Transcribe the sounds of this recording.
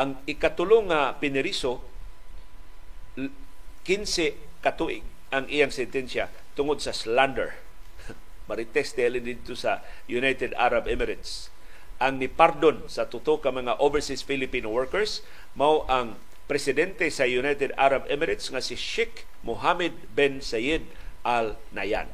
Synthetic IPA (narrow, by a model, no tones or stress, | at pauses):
ʔaŋɪkat̪ʊloŋapɪnɪɾiso | kɪnsɛ | kat̪uʔɪ̰ɡ̚ | aŋʔijaŋsɛnt̪ɛnsja | t̪ʊŋod̪̚sasland̪ɛ̰ɹ | maɾɪt̪ɛst̪ɛalɪnd̪ɪd̪̚t̪osa | junajt̪ɛd̪a̰ɾabɛmɛɾɪt̪s | ʔaŋnɪpaɾd̪onsat̪ʊt̪okamɐŋaʔovɛɹsisfilɪpinowɛɹkɛɹs | mawʔaŋ | pɾɛsɪd̪ɛnt̪ɛsajunajt̪ɛd̪a̰ɾabɛmɛɾɪt̪sŋasɪʃɪk | moɦamɛd̪̚bɛnsajɛd̪̚ | ʔalnaja̰n